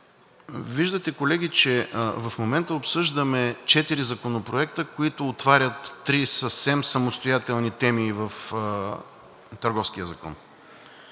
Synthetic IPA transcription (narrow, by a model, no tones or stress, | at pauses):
viʒd̪ət̪ɛkolɛɡ̟ʲit͡ʃɛvɐfmomɛnt̪əopsɤʒd̪əmɛt͡ʃɛt̪iɾizɐkonopɾoɛkt̪əkoit̪ʊːt̪vaɾʲət̪ːɾisəfsɛmsəmost̪ojat̪ɛlˠnit̪ɛmiːvəf | t̪əɾɡɔfskijəzɐkɔ̰n